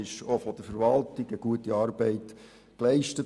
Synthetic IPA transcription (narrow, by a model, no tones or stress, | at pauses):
ɪʃofɔd̥əɾfəɾʋɑltɪɡəɡ̥uətiɑːɾbɛɪt | klɛɪʃtət